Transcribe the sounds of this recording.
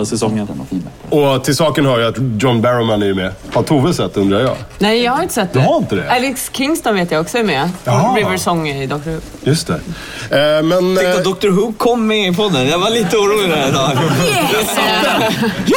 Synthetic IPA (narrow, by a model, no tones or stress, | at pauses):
sɛsɔ | ɔt̪ʰɪlsɑːkənɦœːɾjaat̪djɔnbæɾɔmanɛɾjɵmɛhat̪ʰuːvəsɛt̪ːɵnd̪ɾajɑ̰ːnɛjjɑhaɾɪnt̪ə̥sɛt̪̚ːd̪haɾɪnt̪əd̪ɛ̰ɛlɪkskʰɪŋst̪ɔnveːt̪jaɔksɔɛɾmɛɛvɛsɔŋːɪd̪ɔk̚t̪ʊɾhʉː | jɵst̪ʰɛ | mɛnɛk̪ad̪ɔk̚t̪ʊɾɦʉːɡkʰɔmːɛɪpʰɔd̪ːənjavaliːt̪əuːɾuːlɪɡ̪æɾɪd̪ɑː